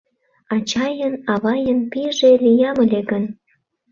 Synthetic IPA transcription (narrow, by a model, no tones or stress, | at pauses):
ɑt͡ɕɑjənɑβɑjənpiʒelijɑməlʲeɡən